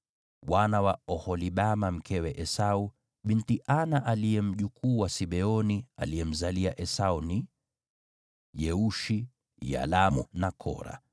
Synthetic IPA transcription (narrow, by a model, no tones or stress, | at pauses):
wanawaɔhɔliɓamam̩kɛwɛʔɛsau | ɓintiʔanaʔaliɛm̩ʄukuːwasiɓɛɔnia̰liɛm̩zaliaʔɛsauni | jɛuʃi | ja̰lamunakʰɔ̰ɾa̰